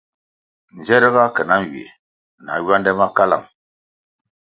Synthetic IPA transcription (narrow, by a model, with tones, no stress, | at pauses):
n̩˨d͡ʒɛ˦ɾə˦ɣa˦kə˨na˦n˨wi˨ḛ˨ | na̰˨˦ɥwa˦ndɛ˦ma˦ka˦la̰˨m